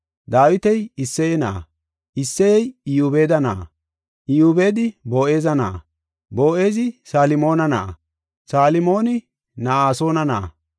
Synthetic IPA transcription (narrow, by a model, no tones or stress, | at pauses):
d̪aːwɪt̪ɛjɪsːɛjɛna̰ː | ʔɪsːɛjɛjɪjuːbe̞ːd̪ɐna̰ː | ʔɪjube̞ːd̪ɪbo̞ːʔe̞ːzɐna̰ː | bo̞ːʔeːzɪsaːlɪmo̞ːnɐna̰ː | saːlɪmo̞ːnɪ | nɐaːso̞ːnɐna̰ː